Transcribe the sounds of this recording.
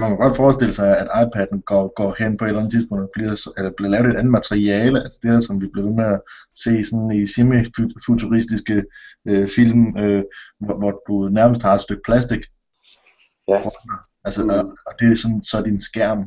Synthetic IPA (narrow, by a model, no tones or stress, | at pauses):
mænkʰæɡ̥ɒ̽d̥fɒːsd̥e̝ləsɑ̈ɪæd̥ɑ̈ɪpʰæd̥n̩ɡ̥ɒɡ̥ɒ̰ːhen̰pʰɒe̝̥læn̩t͡sʰiðˠspɔ̽ŋd̥b̥liɐ̰selɐb̥liɐlɛːʊɾˠe̝d̥ænð̩mæt͡sʰʁiɛːləælsə̥d̥e̝æsɒ̽mʋib̥le̝ʊʋenəæse̝̰ːsɒ̽nisimiffut͡sʰuʁisd̥isɡ̥əøfil̰møʋɒʋɒd̥unæɐməsd̥hɑ̈ed̥sd̥øɡ̥̚pʰlæsd̥iɡ̥ | fn̥ɐ | ælsəɒɒd̥e̝sɒ̽nsɒ̽d̥insɡ̥æɐ̰m